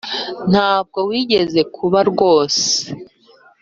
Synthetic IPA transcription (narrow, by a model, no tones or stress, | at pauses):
n̥haːb̚ɡo̞wiːɟe̞ze̞kʰuβaɾɡo̞ːse̥